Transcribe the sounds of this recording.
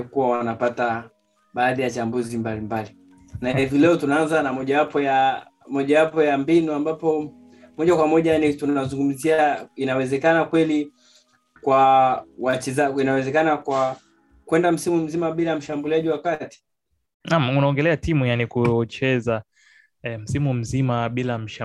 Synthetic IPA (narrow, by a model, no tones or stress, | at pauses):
kuwawanapata | ɓaːðijat͡ʃambuzimbalimbali | nahivilɛɔtunaanzanamɔʄawapɔja | mɔʄawapɔjambinuambapɔ | mɔʄakwamɔʄanitunazuŋɡum̩ziainawɛzɛkanakwɛli | kwawat͡ʃɛzainawɛzɛkanakwa | kwɛndam̩simum̩zimaɓilam̩ʃambuliaʄiwakati̥ | namunaɔŋɡɛlɛatimujanikut͡ʃɛza | ɛm̩simum̩zimaɓilam̩ʃ